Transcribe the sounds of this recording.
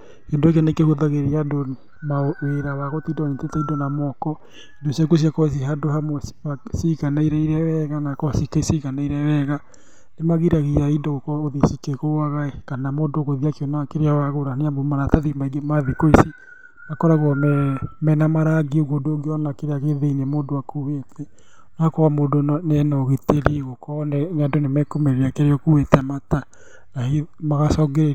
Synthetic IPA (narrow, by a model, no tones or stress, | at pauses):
kendoek̬enekehoðaɣeɾiado | maweɾawaɣotidɔitetaidonamɔkɔ | indosjakos̬iakɔes̬iɦadoɦamwɛsasiɣanaiɾɛiɾɛwɛɣanakɔsikaisiɣanaiɾɛwɛɣa | nemaɣiɾaɣiɾaidokɔoðisikekoaɣaekanamodoɣoðiakeɔnakeɾeawaɣoɾaneambomanataðimaiɡemaðikoisi | nakɔɾaɣwɔmɛmɛnamaɾaɡeoɡodoɡeɔnakeɾeaɣeðeinemoːndoakuwetʰɛ | nakɔɣamoːdonnɛnɔɣeteɾiɣokɔnɛɲadonemɛkomeɾeakeɾeɔkuwetɛmata | naemaɣasɔɡeɾe